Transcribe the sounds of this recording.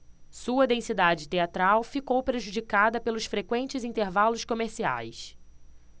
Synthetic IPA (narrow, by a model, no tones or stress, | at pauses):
suɐd̪ẽsid̪ad͡ʒɪt̪eat̪ɾawfikowpɾeʒud͡ʒikad̪ɐpelʊsfɾekwẽnt͡ʃɪzĩnt̪eɾvalʊskomeɾsia̰js